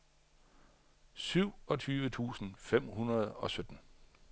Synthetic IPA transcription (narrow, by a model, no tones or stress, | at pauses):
syʊ̰ɒ̽t͡sʰyːʋət͡sʰṵːsn̩fem̰hunʁɐð̞ˠɒ̽sød̥n̩